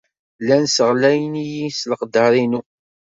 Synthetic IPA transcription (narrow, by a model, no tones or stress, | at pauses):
lːænsəʁlæjnijisləqd̪ɑɾˤinu